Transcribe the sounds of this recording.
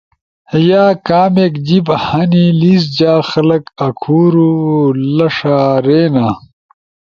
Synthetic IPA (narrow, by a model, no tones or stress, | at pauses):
jaːkaːmeːkd͡ʑibhɐniliːs̬d͡ʑaːxɐlɐkɐkʰuːɾulɐʂaːɾeːnaː